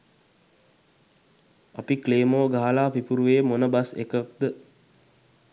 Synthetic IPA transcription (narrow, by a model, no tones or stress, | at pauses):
apikleːmoːɡaɦalaːpipuɾuʋeːmonəbasḛkək̚d̪ə